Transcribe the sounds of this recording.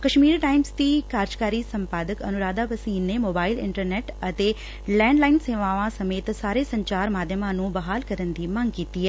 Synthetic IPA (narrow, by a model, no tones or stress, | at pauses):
kəʃmiːɾʈaːɪmsd̪iːkaːɾd͡ʒkaːɾiːsə̃mpaːd̪əkə̰nʊɾaːd̪aːʋəsiːnneːmoːbaːɪlɪ̰̃ɳʈəɾnɛːʈət̪eː | lɛ̃ːɳɖlaːɪnseːʋãːʋãsəmeːt̪saːɾeːsə̃ɲt͡ʃaːɾmaːd̪ʱjəmãːnũːbɐɦaːlkəɾənd̪iːməŋɡkiːt̪iːɦɛː